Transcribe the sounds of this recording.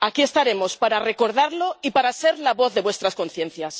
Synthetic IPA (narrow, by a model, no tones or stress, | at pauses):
akie̞st̪aɾe̞mo̞spaɾare̞ko̞ɾðaɾlo̞ipaɾase̞ɾlaβo̞θðe̞βwe̞st̪ɾasko̞nθjẽ̞nθjas